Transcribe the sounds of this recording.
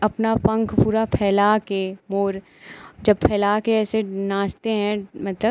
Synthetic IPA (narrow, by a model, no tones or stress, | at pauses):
ɐpnapɐ̃ŋkʰpuːɾapʰɛːlakemoːɾ | d͡ʒɐb̚pʰɛːlaːkeɛːsenãːt͡ʃt̪eɦɛ̃mɐt̪lə